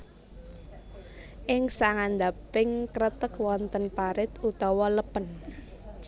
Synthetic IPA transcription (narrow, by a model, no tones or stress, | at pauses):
ʔɪŋsaŋand̪apɪŋkɾət̪əkwɔnt̪ənpaɾɪt̪ut̪ɔwɔləpən